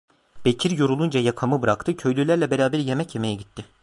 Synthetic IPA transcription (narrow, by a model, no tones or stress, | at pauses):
b̥e̞cʰiɾjoɾulˠund͡ʒajakʰamɯbɯɾakt̪ʰɯcʰø̞jlʲylʲæɾlʲɛbeɾaːbæɾje̞mɛcje̞me̞jɛɟit̪ʰːɪ